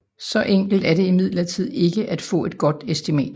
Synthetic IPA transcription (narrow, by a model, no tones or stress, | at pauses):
sɒ̽ʔeŋ̰ɡ̥l̩d̥æɐɾe̝imið̞̰ˠlɐt͡sʰið̞̰ˠe̝ɡ̥əʔæd̥fɔ̰̽ːe̝d̥ɡ̥ɒ̽d̥esd̥imɛ̰d̥